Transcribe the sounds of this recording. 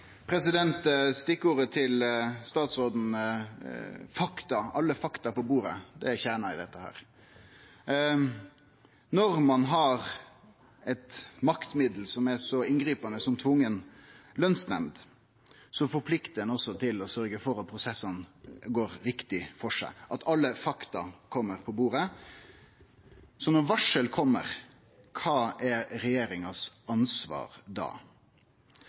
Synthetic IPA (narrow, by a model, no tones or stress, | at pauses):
pʰɾɛsɪd̪ɛnt̪st̪ɪkːəuːɾət̪ʰɪlst̪ɑːt̪sɾoːd̪n̩ | fɑkt̪ɑɑlːəfɑkt̪ɑpɔbuːɾə̰d̪ɛçæːɳɑɪd̪ɛt̪ːəhæ̰ːɾ | nɔɾmɑnɦɑɾ | ɛt̪mɑkt̪mɪd̪l̩sɔmæsɔɪnɡɾiːpɑnəsɔmt̪ʰʋʊŋːənlœnsnɛ̰md̪ | sɔfɔpʰlɪkt̪əənɔsːɔt̪ʰɪlɔsœɾɡəfɔɾɑt̪̚pʰɾʊsɛsːənɡoːɾɾɪkt̪ɪfɔʂæ̰ɪʔɑt̪ʰɑlːəfɑkt̪ɑ̰kʰɔmːəɾpʰɔbuːɾə | sɔnɔɾʋɑʂəlkʰɔmːə̰ɾ | kʰɑːɛɾɛjeːɾɪŋɑsɑnsʋɑ̰ːɾd̪ɑ̰ː